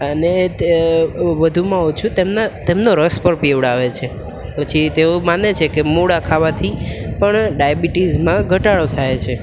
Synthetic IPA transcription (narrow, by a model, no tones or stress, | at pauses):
əne | ʋəd̪ʱumãot͡ʃʰut̪emnat̪emnoɾəspəɾpeʋɽaʋet͡ʃʰe | pət͡ʃʰit̪eomanet͡ʃʰekemuɽakʰaʋat̪ʰipəɳɖajbiʈizmãɡʱəʈaɭot̪ʰajet͡ʃʰe